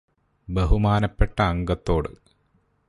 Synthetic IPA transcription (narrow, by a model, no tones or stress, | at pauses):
beɦumaːnɐpːeʈːɐːŋɡɐt̪ːo̞ːɽɨ̰